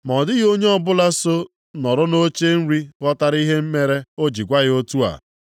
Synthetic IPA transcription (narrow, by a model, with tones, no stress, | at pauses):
m˨ɔ˨dɪ˦ɣo˦ɲe˦ɔ˦bʊ˦la˦so˦ | nɔ˨ɾʊ˦no˦t͡ʃe˦n̩˦ɾi˦kɔ˦ta˦ɾi˦ɦe˦m̩˦me˦ɾe˦o˦d͡ʒi˨ɡʷa˦ɣɪ˦o˦tu˦a̰˨